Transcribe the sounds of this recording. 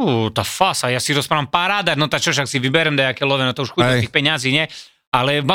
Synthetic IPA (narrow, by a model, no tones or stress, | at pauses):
ut̪afasajasiɾɔspɾaʋampaɾaːd̪aɾnɔt̪at͡ʃɔʃaksiʋibɛɾɛmd̪ajakɛlɔʋɛnɔt̪ɔuʃxudɛt̪iːxpɛɲaziːɲɛ | alɛma